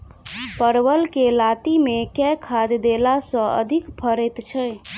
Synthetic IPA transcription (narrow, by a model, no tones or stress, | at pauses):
pəɾwəlkelat̪imekɛkʰad̪d̪elasə̃ə̰d̪ʱikpʰəɾɛt̪t͡ʃʰɛ